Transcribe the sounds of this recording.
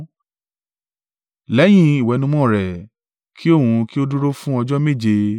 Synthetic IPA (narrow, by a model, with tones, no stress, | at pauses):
lɛ˨˦j̃ĩ˦i˨wɛ˨˧nũ˧˦mɔ̃˦˨ɾɛ˨ | kʰi˦o˦˨hũ˧ki˦o˦du˦ɾo˦fũ˦ɔ˧d͡ʒɔ˦me˦˨d͡ʒe˧